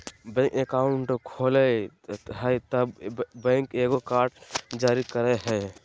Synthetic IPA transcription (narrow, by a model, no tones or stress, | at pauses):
bɛ̃kekaʊɳʈkʰoːlɛ | ɦəjt̪əbbɛ̃ŋkeɡokaːɾʈd͡ʒaːɾikəɾeɦɛ